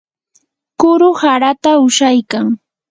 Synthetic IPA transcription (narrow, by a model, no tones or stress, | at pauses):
kʊɾʊhaɾat̪aʊʃajkaŋ